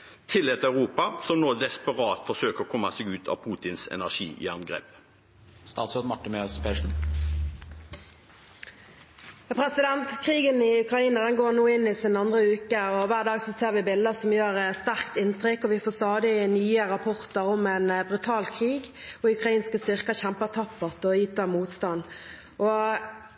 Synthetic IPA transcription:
t̪ʰɪlːeːt̪əœʉʁuːpɑsɔmnoːd̪ɛspəʁɑːt̪fɔsøːkəʁɔkʰɔmːɑsɛːɡʉːt̪ʰɑ̰ʋpʰuːt̪ɪnsɛ̰næʁʂḭːʔɪ̰ɑnɡʁɛ̰ːp | st̪ɑːt̪sɛmɑʈːəmespeːʂn̩ | pʰɾɛsɪd̪ɛnt̪kʰʁiːɡənɪʉkʁɑiːnəd̪ɛnɡoːʁnuːɪnɪsɪnɑnd̪ʁəʉːkəɔʋæːʁd̪ɑːɡsɔseːʁʋɪbɪld̪əsɔmjøːʁst̪æʁkt̪ɪnt̪ʰʁɪkːɔʋɪfoːst̪ɑːd̪ɪnyːəɾɑpʰɔʁt̪əɾɔmɛnbʁʉt̪ʰɑːlkʰʁiːɡɔʉkʁɑiːnskəst̪ʏʁkəɕæmpət̪ʰɑpːəʁt̪ɔjiːt̪ɑmuːt̪st̪ɑnː | ʔɔ

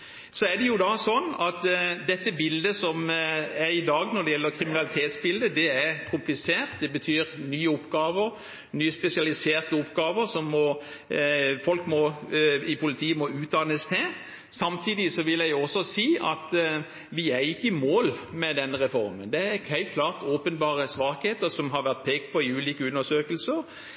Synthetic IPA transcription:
sɔɛd̪ɛjʊd̪ɑsɔnːɑt̪d̪ɛt̪ːəbɪld̪əsɔmæɾɪd̪ɑːɡnɔɾd̪ɛjɛlːəɾkʰɾɪmɪnɑlɪt̪ʰeːt̪sbɪld̪əd̪ɛæɾkʰʊmplɪseːʁt̪̚d̪ɛbət̪ʰyːɾnyːəʊpːɡɑːʋəɾ | nyːəspɛsɪɑlɪseːʁt̪əʊpːɡɑːʋəɾsɔmːɔ | fɔlkmɔɪpʰʊlɪt̪ʰiːəmɔʉːt̪̚d̪ɑnəst̪ʰɛ | sɑmt̪ʰiːd̪ɪsɔʋɪljæɪɔsɔsiːʔɑt̪ | ʋɪæɾɪkːəmoːlmɛd̪ɛnːəʁɛfɔɾmə̰nd̪ɛæɾhæɪlt̪kʰlɑːʁt̪oːpənbɑːʁəsʋɑːkheːt̪əɾsɔmɦɑɾʋæʁt̪̚pʰeːɡ̚t̪̚pʰɔɪʉːliːkəʉnːəʂøːkəlsəʁ

